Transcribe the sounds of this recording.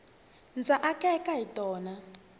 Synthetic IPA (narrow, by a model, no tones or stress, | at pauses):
nd͡zʱaʔakʼɛkaɦitʼɔːna